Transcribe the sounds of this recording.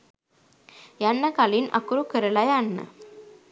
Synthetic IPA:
janːəkalinʔa̰kuɾukəɾəlajanːə̰

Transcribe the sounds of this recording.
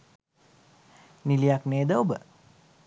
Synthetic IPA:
nilijakneːd̪əobə̰

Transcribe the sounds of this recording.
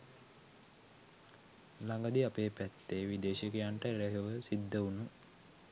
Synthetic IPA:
laŋɡad̪iapeːpæt̪ːeːʋid̪eːʃikejaɳʈəeɾeɦeʋəsid̪ːəunu

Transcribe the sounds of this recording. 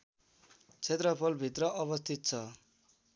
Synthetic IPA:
t͡sʰet̪rʌpʰʌlbʱit̪rʌʔʌβʌst̪ʰit̪̚t͡sʰʌ

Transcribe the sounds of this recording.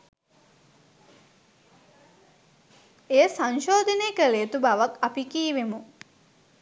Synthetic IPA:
ejəsanʃoːd̪ʱəneːkəlejət̪ubaʋakapikiːʋemu

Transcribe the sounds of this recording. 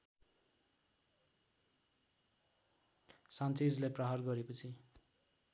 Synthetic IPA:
sant͡sid͡zleprʌɦarɡʌɾepʌt͡sʰi

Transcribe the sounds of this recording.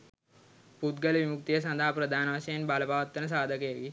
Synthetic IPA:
put̪ɡəlʋimuk̚t̪ijəs̬ɐ̃nd̪ʱaːpɾəd̪ʱaːnɐʋasɐjenbaləpaːʋɐt̪ːənəs̬aːd̪ʱəkəjəɡi

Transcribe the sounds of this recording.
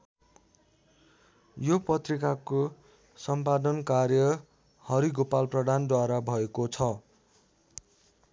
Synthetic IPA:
jopʌt̪rikako | sʌmpad̪ʌnkarjʌ | hʌɾiɡopalprʌd̪ʱand̪waɾabʱʌekot͡sʰʌ

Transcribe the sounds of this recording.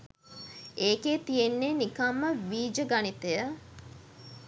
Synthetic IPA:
eːkeːt̪ijenːenikamːəʋiːd͡ʒəɡanit̪ejə

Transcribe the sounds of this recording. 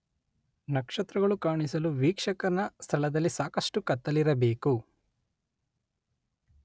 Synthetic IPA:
nɐkʂɐt̪ɾɐɡɐɭukaːɳisɐluʋiːkʂɐkɐɾɐnɐst̪ʰɐɭɐd̪ɐlːisaːkɐsʂʈukɐt̪ːɐliɾɐbe̞ːku

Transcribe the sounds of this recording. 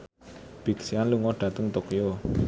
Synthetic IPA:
b̥i̤ksianluŋɔɖ̥at̪əŋt̪okijo

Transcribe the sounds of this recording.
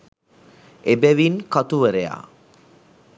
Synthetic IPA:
ebɛʋinkat̪uʋəɾeja̰

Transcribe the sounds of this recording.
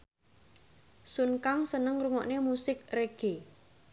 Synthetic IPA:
sunkaŋsənəŋruŋɔʔnemusɪk̚reɡ̥e

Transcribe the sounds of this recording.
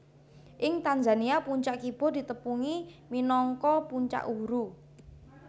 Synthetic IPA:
ʔɪŋt̪and͡ʒa̤niapuɲt͡ʃaʔkib̥ɔ̤d̪̥i̤t̪əpuŋiminɔŋkɔpuɲt͡ʃa̰ʔuɾu

